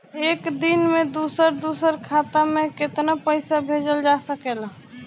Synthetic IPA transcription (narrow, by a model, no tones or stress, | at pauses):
ekd̪inmed̪usəɾd̪usəɾkʰat̪ameket̪napəɪsabʱed͡ʒəld͡ʒasəkel